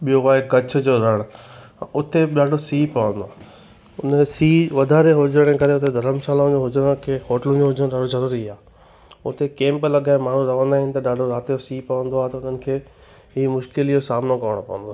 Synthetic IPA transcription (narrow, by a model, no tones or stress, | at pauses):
ɓijoʋaːekɐt͡ɕ̆ʰd͡ʑoːɾɐɽ̃ʊt̪eɗaːɖʱosiːpɐʋə̃nd̪oaː | ʊnsiːʋɐd̪ʱaːɾeɦʊd͡ʑəɽ̃ekɐɾeʊt̪ed̪ʱɐɾəmsaːlaʊ̃d͡ʑoɦʊd͡ʑəɽ̃kʰeːɦoːʈlũd͡ʑoɦʊd͡ʑəñɗaːɖʱozɐɾuːɾiaː | ʊ̰t̪ekẽːmplɐɠaːɪmaːɳ̤ũɾɐʋə̃nd̪aːɦɪnɪ̆t̪ɐɗaːɖʱoɾaːt̪ijosiːpɐʋə̃n̆d̪oaːɦet̪ɐʊn̤ənɪ̆kʰeː | ɦiːmʊʃkɪlijosaːmnokɐʋəɽ̃opɐʋə̃nd̪oa